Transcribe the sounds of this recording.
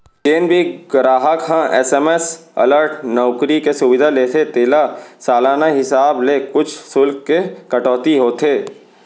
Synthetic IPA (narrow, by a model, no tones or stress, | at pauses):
t͡ʃeːnbʱiɡɾaːɦəkɦãʔɛːsɛːmesɐ̰ləɾʈnɔːkɾikesʊʋɪd̪ʱaleːt̪ʰet̪eːlasaːlaːnaɦɪsaːblekʊt͡ʃʰsʊlkːekɐʈɔːt̪iɦoːt̪ʰeː